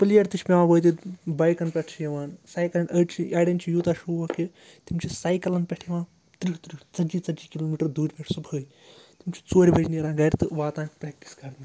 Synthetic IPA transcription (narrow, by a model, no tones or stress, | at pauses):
pɨlijɐɾt̪it͡ʃʰʲpʲeʋãːʋoːt̪̬it̪bɐːjkɐnpʲɛʈʰt͡ʃʰjɐʋaːnsaːjkɐlɐɳɖɐːʈt͡ʃʰiʔaːɽɐnt͡ʃʰijuːt̪aːʃuːʋɐki | t̪imt͡ʃʰisaːjkɐlɐnpʲɛʈʰjiʋaːn | t̪ɾit̪ɾit͡sɐd͡ʒit͡sɐd͡ʒiːkiloːmiːʈɐɾd̪uːɾʲpʲeʈʰsubəːj | t̪imt͡ʃʰi̥t͡soːɾʲibʱɐd͡ʒniɾãːɡɐɾt̪ɨʋaːt̪ãːnkʰpɾʲɛːk̚ʈi̥sɡɐɾnɨ